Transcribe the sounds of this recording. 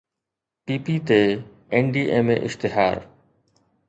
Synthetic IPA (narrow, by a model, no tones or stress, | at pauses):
piːpiːt̪eː | enɖiːʔeːmḛ̃ːʔɪʃt̪ɪɦa̰ːɾ